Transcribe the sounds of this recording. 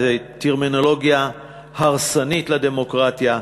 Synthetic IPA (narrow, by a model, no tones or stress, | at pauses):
teʁminolo̞ɡja | haʁsanitlade̞mo̞kʁat̪ja